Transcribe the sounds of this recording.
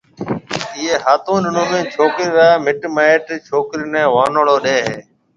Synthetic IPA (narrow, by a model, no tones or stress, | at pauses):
iːeːɦaːt̪ũːɗɪnũːmẽːt͡ʃʰoːkɾiɾaːmɪʈmaːeʈt͡ʃʰoːkɾinẽːʋaːnoːɽoːɗẽːɦeː